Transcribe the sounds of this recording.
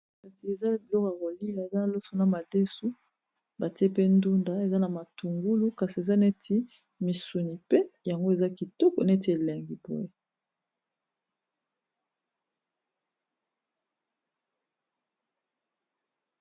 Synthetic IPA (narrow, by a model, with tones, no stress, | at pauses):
ka˨si˨e˨za˦bi˨lɔ˦ka˨ko˨li˦a˨e˨za˦na˨lo˦so˨na˨ma˨de˦su˦ | ba˨ti˦e˦pe˦ndu˦nda˨˦e˨za˦na˨ma˨tu˨ŋɡu˦lu˦ka˨si˨e˨za˦ne˦tʰi˦ | mi˨su˨ni˨pe˦ja˨ŋɡo˦e˨za˦ki˨tɔ˦kɔ˨ne˦ti˦e˨lɛ˨ŋɡi˨bo̰˦e˦